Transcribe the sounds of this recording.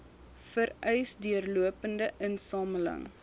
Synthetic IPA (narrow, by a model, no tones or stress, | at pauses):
fəɾœjsdyərluəpəndəʔənsɑːmələ̰ŋ